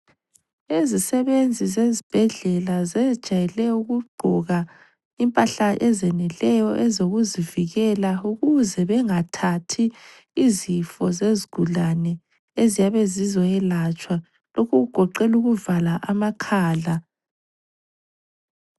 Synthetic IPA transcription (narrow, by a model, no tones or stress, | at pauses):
ezisɛβend͡zʱizezib̥ʱɛɮɛlazɛ̥ʒ̥ʱajɛlɛuɣuɡ͡ǃʱɔɣa | impʼaɬaʔɛzɛnɛlɛjɔʔɛzoɣuziviɣɛlauɣuzɛβɛŋatʰatʰiː | zifɔzeziɡ̥ʱulanɛ | ezijaβezizɔɛlat͡ʃʼwa | lokʰuɣuɡ̥ʱɔǃɛluɣuvalaʔamakʰaːɮa